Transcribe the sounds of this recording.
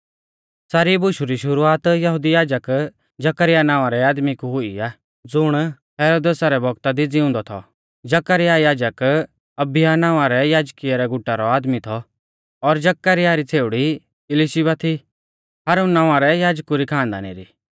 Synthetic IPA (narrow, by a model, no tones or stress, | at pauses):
saːɾibʊʃuɾiʃʊɾuaːt̪jɐɦʊd̪ijaːd͡ʒək | d͡ʒɐkəɾɪjanãːʋaɾɛaːd̪mikuɦʊiaː | d͡zʊɽ̃ | ɦɛːɾoːd̪eːsaɾɛbʱɔɡt̪ad̪id͡ziʊ̃nd̪ɔt̪ʰɔ̰ | d͡ʒɐkaɾɪjajaːd͡ʒək | ɐbɪjanãːaɾɛjaːd͡ʒkijaɾɛɡʊʈːaɾɔaːd̪mit̪ʰɔ | ɔɾd͡ʒɐkːaɾɪjaɾit͡sʰeːʊɽi | ɪlɪʃibat̪ʰi | haːɾunːãːaɾɛjaːd͡ʒkuɾikʰãːnd̪a̰ːnḛɾḭ